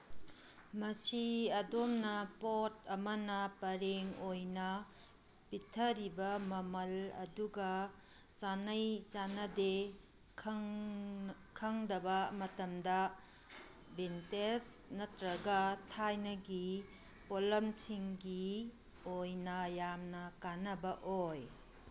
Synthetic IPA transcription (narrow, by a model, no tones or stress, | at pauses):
mɐsiɐdomnɐpotɐmɐnɐpɐɾeŋojnɐ | pitʰɐɾibɐmɐmɐlɐ̰duɡɐ | sanɐjzanɐde | kʰɐŋdɐbɐmɐtɐmdɐ | bentesnɐtɾɐɡɐtʰajnɐɡi | polɐmsiŋɡi | ojnɐjamnɐkanɐbɐʔoj